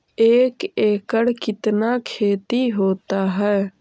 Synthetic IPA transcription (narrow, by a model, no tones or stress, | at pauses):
eːkeːkəɽkɪt̪nakʰeːt̪iɦoːt̪aɦɛː